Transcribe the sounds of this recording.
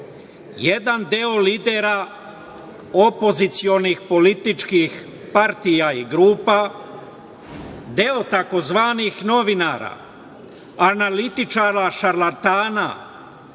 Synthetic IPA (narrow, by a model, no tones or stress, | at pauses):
jed̪and̪eo̞liːd̪eɾa | opo̞zit̪sio̞nixpo̞lit̪it͡ʃkix | paɾt̪ijaiɡɾuːpa | d̪eo̞t̪ako̞zʋaːnixno̞ʋinaːɾa̰ | analit̪it͡ʃaːɾaʃaɾlat̪aːna̰